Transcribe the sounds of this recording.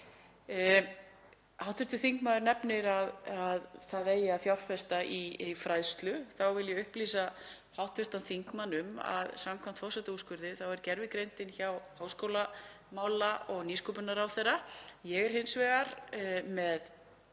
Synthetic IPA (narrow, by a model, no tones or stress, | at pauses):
awt̪vɪɾ̥t̪ʏθiŋkmaðʏɾnɛpnɪɾaðaðθaðejɪafjawrfɛst̪aʔifɾajðst̪lʏθawvɪljɛʏhpliːsa | hawht̪vɪst̪anθiŋkmanʏma̰ðsamkʰvam̥t̪fɔɾsɛt̪auskʏɾðɪθawɛɾcɛɾvɪkɾejnt̪ɪnçawhawskowla | maːwlaɔɣniːskɔpʏnaɾawθejrajɛɣɛɾ̥hɪnsvɛːɣaɾ̥mɛð